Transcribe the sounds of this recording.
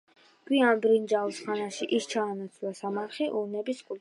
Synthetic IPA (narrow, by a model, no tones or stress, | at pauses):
ɡ̥wianbɾind͡ʒasχanaʃiʔist͡ʃʰaːnat̪sʰlasamaɾχiʔunɛbiskʼul